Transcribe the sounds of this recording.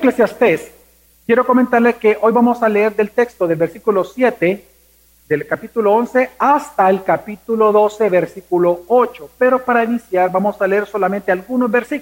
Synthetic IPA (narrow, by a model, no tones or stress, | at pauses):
klesjast̪es | kjeɾo̞ko̞ment̪aɾlekeʔo̞jβamo̞saleeɾðe̞lt̪e̞kst̪oðelbe̞ɾsikulo̞sjet̪e | ðelkapit̪uloonse̞ast̪aelkapit̪ulo̞ðo̞se̞βeɾsikulo̞ot͡ʃo̞pe̞ɾo̞paɾainisjaɾbamo̞saleeɾso̞lamẽnt̪e̞alɣunozbe̞ɾsik